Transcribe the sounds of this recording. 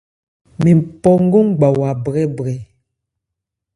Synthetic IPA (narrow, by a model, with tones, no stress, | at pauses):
mi˨mpɔ˦ŋ̩˦ɡo˦ŋ˦ɡ͡ba˨wa˨bɣɛ˦bɣɛ˨